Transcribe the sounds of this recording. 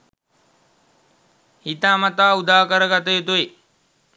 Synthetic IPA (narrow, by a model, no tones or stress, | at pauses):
hit̪aːmat̪aːud̪aːkəɾəɡat̪əjut̪ue